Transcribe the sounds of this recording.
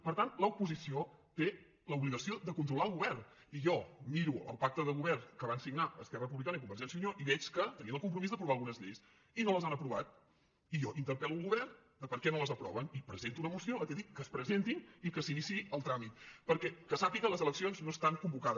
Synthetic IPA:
pəɾt̪anləupuzisiot̪e | ləuβliɣəsiod̪əkunt̪ɾulaəlˠɣuβɛrn | iʒɔmiɾuə̰lˠpak̚t̪əðəɣuβɛrnkəβ̞ansiɡnaəskɛrəəp̬uβlikanəikumbəɾʒɛnsiuɲoʔiβɛt͡ʃkət̪əniəlˠkumpɾumizðəpɾuβalˠɣunəzʎɛjs | inoləzanəpɾuβat̪̚ | ijɔʔint̪əɾpɛluəlˠɣuβɛrnd̪əpəɾkɛnoləzəpɾɔ̰βənipɾəzent̪unəmusioət̪ɛðikːəspɾəzent̪inikəsinisiəlˠt̪ɾamit̪̚pəɾkɛkəsapikələzələksionznoest̪aŋkumbukaðə

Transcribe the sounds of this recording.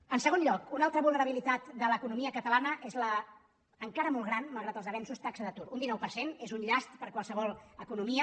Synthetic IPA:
ənsəɣ̞onʎɔkunalˠt̪ɾəβulˠnəɾəβilit̪at̪d̪ələkunumiəkət̪əlanəʔezlə | əŋkaɾəmɔlˠɣɾanməlˠɣɾat̪əlzðəβɛnsust̪aksəðət̪uɾund̪inɔwpəɾsenezunʎast̪̚pəɾkwalˠsəβ̞ɔlˠəkunumiə

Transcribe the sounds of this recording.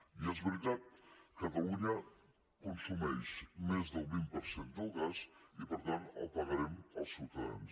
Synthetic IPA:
iɛzβəɾit̪at̪̚kat̪aluɲa | kunsumɛʃmezðəlˠβimpəɾsend̪əlˠɣazipəɾt̪ana̰lˠpaɣaɾɛməlˠsulˠt̪aa̰ns

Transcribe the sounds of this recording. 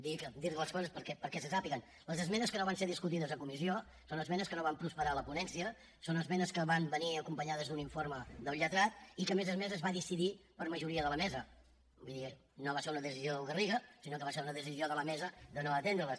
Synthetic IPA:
d̪ikəd̪iɾt̪ələskɔzəspəɾkɛpəɾkɛsəsapiɣən | ləzəzmɛnəskənoβanseɾðiskut̪iðəzəkumisio | sonəzmɛnəskənoβampɾuspəɾaləpunɛnsiə | sonəzmɛnəskəβambəniəkumpəɲaðəzðuniɱfoɾməðəlˠʎət̪ɾat̪ikəmezəzmɛzəzβaðisiðipəɾməʒuɾiəðələmɛzə | buði | noβaseɾunəðəsizioðˠɣəriɣəsinokəβaseɾunəðəs̬izioðələmɛzəd̪ənoət̪end̪ɾələs

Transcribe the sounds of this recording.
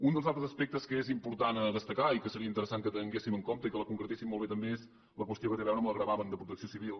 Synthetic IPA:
und̪əlzalˠt̪ɾəzəspɛk̚t̪əskəezimpuɾt̪anəðəst̪əkaikəsəɾiəint̪əɾəsaŋkət̪əŋɡesiməŋkomt̪əikələkuŋkɾət̪esimːolˠβet̪əmbeez | ləkwəst̪jokət̪eβɛwnəmləɣɾəβaβənd̪əpɾut̪əksiosiβilˠ

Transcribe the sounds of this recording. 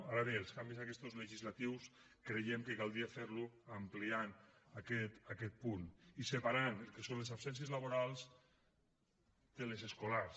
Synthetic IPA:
aɾaβeːlˠskambizakɛst̪ozleʒizlat̪iws | kɾejɛmkekalˠd̪ɾiafeɾluamplianakɛt̪akɛt̪̚punisepaɾanelˠkesonlezabsɛns̬iezlaβoɾalˠz | d̪̥elezeskolaɾs

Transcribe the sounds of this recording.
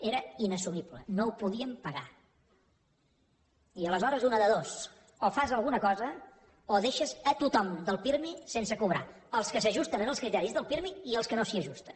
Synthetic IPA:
eɾəinəsumiβlə̰noupuðiəmpəɣa | iələzɔɾəzunəðəðos | ofazəlˠɣunəkɔzə | oðeʃəzət̪ut̪ɔmd̪əlˠpiɾmisensəkuβ̞ɾa̰əlˠskəsəʒust̪ənənəlˠskɾit̪ɛɾizðəlˠpiɾmiːəlˠskənosiəʒust̪ən

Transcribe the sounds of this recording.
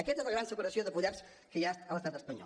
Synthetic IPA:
əkɛt̪ezləɣɾansəkuɾəsioðəpuʎaɾs | kəjast̪ələst̪at̪əspəɲɔ̰

